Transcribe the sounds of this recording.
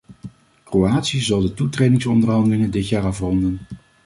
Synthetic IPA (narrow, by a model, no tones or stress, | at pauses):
kroaːtsiəzɑlˠdətutrejdɪŋsɔndərɦɑndəlɪŋəndɪtjaːɾɑfrɔndən